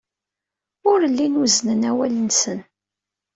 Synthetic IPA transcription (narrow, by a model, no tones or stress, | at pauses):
ʊɾəlːinuznənæwælənsən